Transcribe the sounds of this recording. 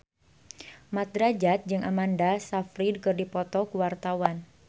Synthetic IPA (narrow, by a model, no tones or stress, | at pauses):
mat̪̚ɾad͡ʒat̪̚d͡ʒɨŋʔamandasafɾidkɨrdipɔt̪ɔkuwart̪awan